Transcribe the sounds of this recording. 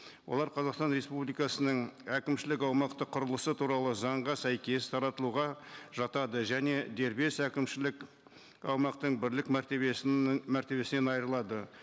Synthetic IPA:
wolˠɑɾqʰɑzɑqst̪ɑnɾe̞spublijkɑsənəɴækʲɪmʃɪlɪkɑwmɑqt̪əqʰʊɾəlˠəsət̪ʰuɾɑlˠəzɑɴʁɑsæjkʲe̞st̪ʰɑɾɑt̪əlˠuʁɑʒɑt̪ɑd̪əʒæne̞d̪e̞ɾbe̞sækʲɪmʃɪlɪk | ɑwmɑqt̪əɴbɪɾlɪkmæɾt̪emæɾt̪e̞βe̞sɪne̞nɑjəɾəlˠɑd̪ə

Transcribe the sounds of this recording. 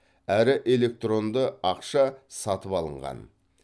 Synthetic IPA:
æɾɪʔe̞le̞k̚t̪ro̞nd̪əɑqʃɑsɑt̪əpɑlˠəɴʁɑ̰n

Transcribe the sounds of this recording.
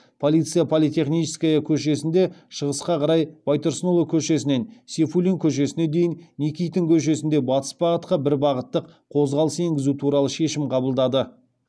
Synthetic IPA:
pʰo̞lʲijt̪sɨjapʰolʲit̪e̞χnijt͡ʃɪ̥skʲajəkʲʰɵʃ̬e̞sɪnd̪e̞ʃəʁəsqɑqʰɑɾɑjb̥ɑjt̪oɾsənolˠokʲʰɵʃe̞s̬ɪne̞nsʲe̞fulʲiŋkʲʰɵʃ̬e̞sɪne̞d̪e̞jɪnnikʲijt̪ːɪŋkʲʰɵʃ̬e̞sɪnd̪e̞bɑt̪ə̥sbɑʁət̪qɑbɪɾbɑʁət̪ːəqqʰo̞zʁɑlˠəsəe̞ŋɡʲɪzut̪ʰuɾɑlˠəʃe̞ʃɪmqʰɑbəlˠd̪ɑd̪ə

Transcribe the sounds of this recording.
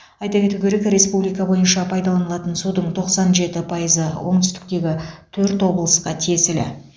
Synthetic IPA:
ɑjt̪ɑkʲe̞t̪uɡʲe̞ɾe̞kɾe̞spublijkɑbo̞jənʃɑpʰɑjd̪ɑlˠɑnəlˠɑt̪ənsud̪əɴt̪ʰo̞qsɑnʒe̞t̪ɪpʰɑjəzəwo̞ɴt̪ʏ̥st̪ɪ̥k̚t̪e̞ɡʲɪt̪ʰɵɾt̪wo̞blˠəsqɑt̪ʰe̞sɪlɪ̰

